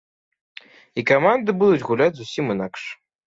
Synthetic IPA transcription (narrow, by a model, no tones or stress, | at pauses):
ikamand̪ɨbud̪ut͡sʲɣulʲad͡zʲzusʲimɨnakʂ